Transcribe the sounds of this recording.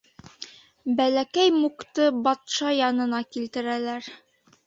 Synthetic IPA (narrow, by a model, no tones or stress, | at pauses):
bælækæjmukt̪ɤbɑt̪ʃɑjɑnɤ̆nɑkilt̪ɘ̆ɾælæɾ